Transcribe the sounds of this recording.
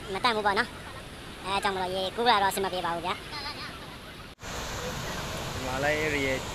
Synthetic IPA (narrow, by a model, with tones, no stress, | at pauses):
mə˨t̪ã˨mbu˦pɔ̰˦˨nɔ˦ | ʔɛ˦˨t͡ɕã˨m˨lɔ˨je˨ku˦kə˦la˨ɾɔ˦˨əsɪ̃˨məpe˦βa˨u˦bja̰˦ʔ | ə˨ma˨la˦ɪʔe˦˨ɾi˨ja˨